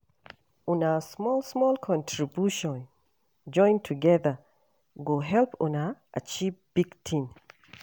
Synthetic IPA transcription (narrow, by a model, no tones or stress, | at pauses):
unasmɔlsmɔlkʰɔ̃ntʰɹibjuʃɔ̃n | d͡ʒɔ̃ɪ̃ntʰuɡɛðə | ɡoɦɛlpũnaʔat͡ʃivb̥iɡ̥tʰĩm